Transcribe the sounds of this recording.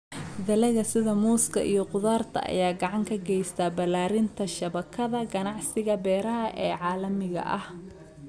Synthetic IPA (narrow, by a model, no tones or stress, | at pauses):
d̪ɐlɛɣɐsɪðɐmuːskʰɐ̰ʔijɞqʊðaːrt̪ʰɐ̰ʔɐ̰jaːɡɑʕɑŋkʰɐɡɛjst̪ʰɐbɐlaːɾɪnt̪ʰɐʃɐβɐkʰɐðɐɡɐnɑʕsɪɣɐbɛːɾɐɦɐʔɛːʕɑːlɐmɪɣɐ̰ʔɐh